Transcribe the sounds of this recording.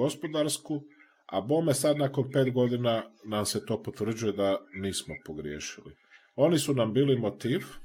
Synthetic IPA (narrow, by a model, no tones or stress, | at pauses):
o̞spo̞d̪aɾsku | a̰bo̞ːmesad̪nako̞npe̞ːt̪ɡo̞d̪inanamset̪o̞ːpot̪ʋr̩d͡ʑujed̪aniːsmopoɡɾijeːʃilḭ | o̞nisunambiːlimot̪iːʋ